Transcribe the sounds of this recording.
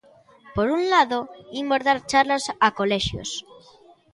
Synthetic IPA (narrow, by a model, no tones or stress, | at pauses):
poɾunlaðoimoɾðaɾt͡ʃaɾlasakoleʃjo̰s